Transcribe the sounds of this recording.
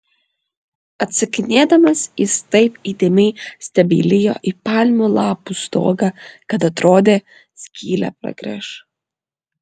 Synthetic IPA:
ɐt̪ʲsɐkʲɪnʲeːd̪ɐmɐsɪst̪ɐɪpiːt̪ʲeːmʲɛɪsʲt̪ʲɐbʲḭːlʲɪjo̰ːʔipɑːlʲmʲulˠɑːpust̪o̰ːɡɑkɐt̪ɐt̪ɾoːd̪ʲeː | sʲkʲʰiːlʲæ̰ːpɾɐ̰ɡɾʲɛ̰ʃ

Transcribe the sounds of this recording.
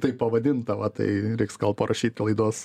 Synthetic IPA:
t̪ɐɪpɐʋɐd̪ʲɪnt̪ɐʋɐt̪ɐ̰ɪɾʲɛɪksɡɐlˠpɐɾʔɐʃʲiːt̪ʲlˠɐɪd̪uɔs

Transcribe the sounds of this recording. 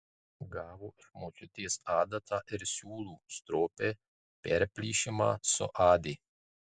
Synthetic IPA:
ɡaʋoʃmot͡ʃut̪isaːd̪at̪ʰaʔeɾsuːlust̪ɾoːpe | peɾpliʃema̰so̰ʔaːd̪i

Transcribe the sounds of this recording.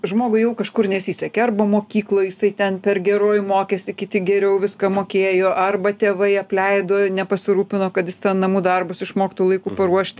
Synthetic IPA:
ʒmoːɡʊɪjɛʊkɐʃkʊrnʲɛsʲiːsʲɛkʲɛːɐrbɐmoːkʲiːklˠoːjɪsɐɪt̪ʲɛnpʲɛrɡʲɛɾoːjmoːkʲɛsʲɪkʲɪt̪ʲɪɡʲɛɾʲɛʊʋʲɪskɐmoːkʲeːjoːʔɐrbɐt̪ʲeːʋɐɪɐpʲlʲɛɪd̪oːnʲɛpɐsʲɪɾuːpʲɪnoːkɐt̪jɪst̪ʲɛnnɐmuːd̪ɐrbʊsɪʃmoːkʲɪt̪uːlˠɐɪkuːpɐɾuɔʃʲt̪ʲ

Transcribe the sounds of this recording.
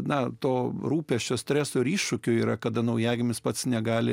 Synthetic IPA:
nɐt̪oːɾuːpʲɛʃʲt͡ʃʲoːsʲt̪ʲɾʲæːsoːɪɾiːʃʃʊkʲʊiːɾɐkɐd̪ɐnɐʊjæːɡʲɪmʲɪspɐt̪snʲɛɡɑːlʲɪ

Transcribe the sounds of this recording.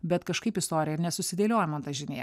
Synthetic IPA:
bʲɛt̪kɐʃkɐɪpɪst̪oːɾʲɪjɛɪɾnʲɛsʊsʲɪd̪ʲeːlʲoːjɛmɐnt̪ɐʒʲɪnʲejɛ̰

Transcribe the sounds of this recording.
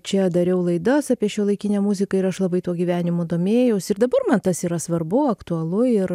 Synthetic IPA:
t͡ʃʲɛd̪ɐɾʲɛʊlˠɐɪd̪ɐsɑːpʲiɛʃʲuːlˠɐɪkʲinʲɛːmuzʲɪkɐɪɾɐʃlˠɐbɐɪt̪uɔɡʲiʋʲæːnʲɪmoːd̪oːmʲeːjɛʊsɪrd̪ɐbɐrmɐnt̪ɐsiːɾɐsʋɐrbʊɐkt̪ʊɐlˠʊɪr

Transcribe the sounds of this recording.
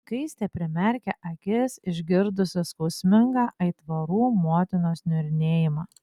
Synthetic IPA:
kɐɪsʲt̪ʲeːpʲɾʲɪmʲɛɾʲkʲɛʔɐkʲɪsɪʒʲɡʲɪɾd̪ʊsʲɪskɔʊsʲmʲɪŋɡɑːʔɐɪt̪ʋɐɾuːmoːt̪ʲɪnoːsnʲʊɾʲɪnʲeːjɪmɑː

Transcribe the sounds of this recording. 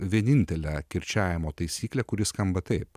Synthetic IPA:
ʋʲiɛnʲɪnʲt̪ʲɛlʲækʲɪɾʲt͡ʃʲæːʋʲɪmoːt̪ɐɪsʲiːklʲɛkʊɾʲɪskɐmbɐt̪ɐɪp

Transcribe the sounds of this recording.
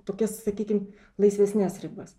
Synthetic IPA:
t̪oːkʲɛssɐkʲiːkʲɪm | lˠɐɪsʲʋʲɛsʲnʲɛsɾʲɪbɐs

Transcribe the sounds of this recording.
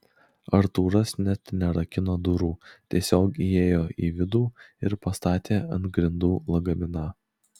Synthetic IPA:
ɐɾt̪uːɾɐsnʲɛt̪nʲɛɾɐkʲɪnoːd̪ʊɾuːt̪ʲiɛsʲoːkieːjoːʔiːʋʲɪd̪uːɪɾpɐst̪ɑːt̪ʲeːɐnt̪ɡɾʲɪnd̪uːlˠɐɡɐmʲɪnɐ

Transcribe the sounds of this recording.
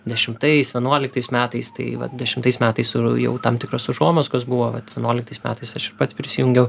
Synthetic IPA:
d̪ʲɛʃʲɪmt̪ɐsʋʲɛnuɔlʲɪk̚t̪ɐɪsmʲæːt̪ɐɪst̪ɐ̰ɪʋɐ̰t̪d̪ʲɛʃʲɪmt̪ɐɪsmʲæːt̪ɐɪsʊjɛ̰ʊt̪ɐmt̪ʲɪkɾoːsʊʒoːmoːskosbʊʋoːʋɐt̪ʋʲɛnuɔlʲɪkt̪ɐɪsmʲæ̰ːt̪ɐɪsɐʃɪɾpɐt̪spʲɾʲɪsʲɪjʊŋʲɡʲɛʊ

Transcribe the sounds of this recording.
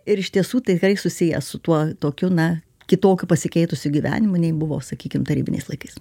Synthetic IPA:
ɪɾɪʃt̪ʲiɛsuːt̪ɐɪt̪ʲɪkrɐɪsʊsʲɪjɛ̰sʊt̪uɔt̪oːkʲʊnɐ | kʲɪt̪oːkʲʊpɐsʲɪkʲɛɪt̪ʊsʲʊɡʲiːʋʲæ̰ːnʲɪmʊnʲɛɪbʊʋo̰ːsɐkʲiːkʲɪmt̪ɐɾʲiːbʲɪnʲɛ̰ɪslˠɐɪkɐɪs

